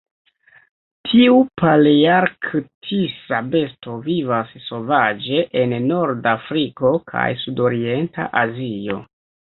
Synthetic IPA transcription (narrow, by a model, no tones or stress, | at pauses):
tʰiupaljaɾkʰtʰisabe̞sto̞vivasso̞vad͡ʒe̞ʔenːo̞ɾdafɾiko̞kʰa̰jsudo̞ɾie̞nta̰ʔazio̞̰